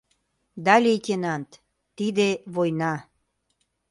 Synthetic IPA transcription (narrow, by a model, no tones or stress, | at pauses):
d̪ɑlʲijt̪ʲenɑnt̪ | t̪ːid̪eβojnɑ